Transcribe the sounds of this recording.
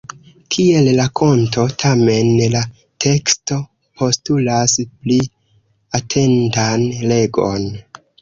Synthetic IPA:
kʰie̞llakʰo̞nto̞tʰame̞nla | tʰe̞ksto̞ | pʰo̞stulaspli | atʰe̞ntanle̞ɡo̞̰n

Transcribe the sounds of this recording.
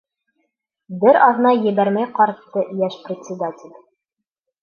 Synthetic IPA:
bɘɾɑðnɑjɘ̆bæɾmæjqɒɾt̪ːɤjæʃprʲɪtʲsʲɪd̪atʲɪlʲ

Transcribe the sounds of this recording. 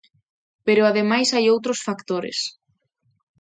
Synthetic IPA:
peɾʊaðemajsajowt̪ɾosfakt̪oɾɪ̰s

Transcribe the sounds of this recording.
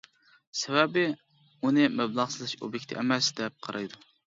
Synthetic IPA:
sɛbɛbɪ | unɨmɛblˠɑʁsɨzɨʃo̰bjekʲt̪ʰɪʔɛmɛsd̪ɛp̚qʰɑɾʔɑjd̪u

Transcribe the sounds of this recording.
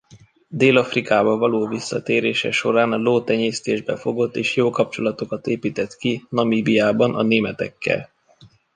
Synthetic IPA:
d̪eːlɒfrikaːbɒvɒloːvisːɒt̪eːɾeːʃɛ̰ʃo̞ɾaːnɒloːt̪ɛɲeːst̪eːʒbɛfo̞ɡo̞t̪ːeːʃjoːkɒp̚t͡ʃo̞lɒt̪o̞kɒt̪eːpiːt̪ɛt̪kinɒmiːbijaːbɒnɒ̰neːmɛt̪ɛ̰kːɛ̰l

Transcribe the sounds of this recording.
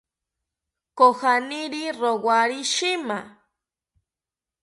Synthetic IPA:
koxaniɾiɾowaɾiʃima

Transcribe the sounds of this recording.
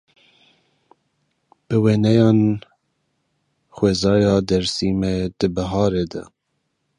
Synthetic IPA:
b̥ɨweːnɛjɑːn | xweːzɑːjɑːd̪ɛɾsiːmɛd̪ɨbɛɦɑːɾeːd̪ɛ̰

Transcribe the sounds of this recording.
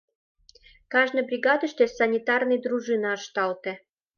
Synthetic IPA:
kɑʒnəjbɾʲiɡɑd̪əʃt̪ʲesɐnʲit̪ɑrnɨjd̪ɾuʒɨnɑːʃt̪ɑlt̪ĕ

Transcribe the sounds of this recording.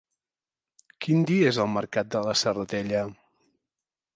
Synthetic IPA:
kind̪iezəlˠməɾkat̪̚d̪ələsərət̪ɛʎə

